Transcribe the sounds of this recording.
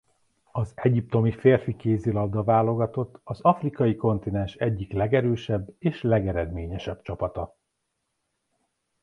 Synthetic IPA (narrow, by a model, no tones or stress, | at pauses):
ɒzɛɟip̚t̪o̞mifeːrfikeːzilɒd̪ːɒvaːlo̞ɡɒt̪o̞t̪ːɒzɒfrikɒjiko̞nt̪inɛnʃɛɟːiklɛɡɛɾøːʃɛbːeːʃlɛɡɛɾɛd̪meːɲɛʃɛb̥t͡ʃɒpɒt̪ɒ